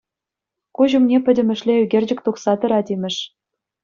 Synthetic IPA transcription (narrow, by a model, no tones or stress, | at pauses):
kuʑumnʲepʲɘ̆dʲɘ̆mʲɘ̆ʃlʲeyɡʲerʲd͡ʑɘ̆k̚ʲt̪uχsɑt̪ɘ̆ɾɑdʲimʲɘ̆ʂ